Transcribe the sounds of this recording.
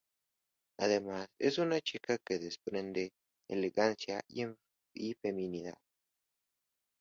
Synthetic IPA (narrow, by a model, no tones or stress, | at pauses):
aðemasḛsunat͡ʃikakeðespɾend̪e | ḛleɣansja̰e | ifemĩniða̰ð